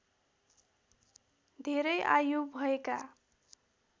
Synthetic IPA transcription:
d̪ʱeɾʌjʔajubʱʌeka

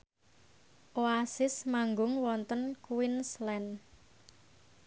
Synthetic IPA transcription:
ʔoasɪsmaŋɡʊŋwɔnt̪ənkuwɪnslɛn

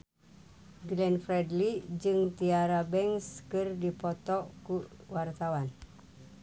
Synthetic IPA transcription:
ɡlɛnfɾɛdlid͡ʒɨŋt̪iaɾabɛŋskɨrdipɔt̪ɔʔkuwart̪awan

